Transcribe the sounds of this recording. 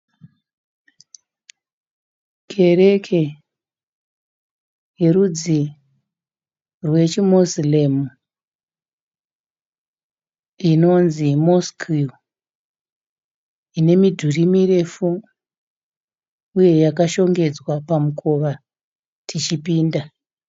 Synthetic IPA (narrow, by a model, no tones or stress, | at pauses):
kʰe̞ɾe̞kʰe̞ | jerud͡zi | rwe̞t͡ʃimoslemu | ino̞nzimoskʰi | ine̞midʱurimire̞fu | uje̞jakaʃo̞ŋɡe̞d͡zwapamukʰo̞ʋa | tʰit͡ʃipiːnda